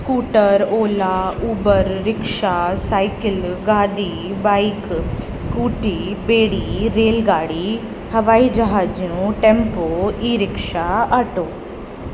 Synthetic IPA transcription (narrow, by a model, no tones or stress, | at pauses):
skuːʈəɾoːlaːuːbəɾːɪkʃaːsaːɪkɪlɡaːd̪iːbaːik | skuːʈiːbeːɽiːɾeːlɡaːɽi | hɐʋaːid͡ʒəɦaːd͡ʒjũʈɛ̃mpoːiːɾɪkʃaaʈoː